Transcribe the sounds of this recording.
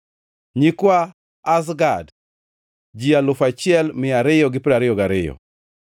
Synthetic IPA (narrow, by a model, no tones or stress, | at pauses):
ɲikwaː | s̬ɡad | d͡ʒialʊfat͡ʃɪɛlmɪaɾɪjɔɡɪpɪɾaɾɪjɔɡaɾɪjɔ̰